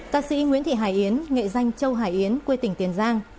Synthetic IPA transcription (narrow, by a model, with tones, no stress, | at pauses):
kaː˧sḭ˧˥ŋwḭ˧˥ənt̪ʰḭ˧˨ɦaː˧˩jʔi˨˦ənŋḛ˧˨za˧jŋ̟t͡ɕə˧wɦaː˧˩jʔi˨˦ənkwe˧t̪ï˧˩ŋ̟t̪i˨˦ənzaː˧ŋ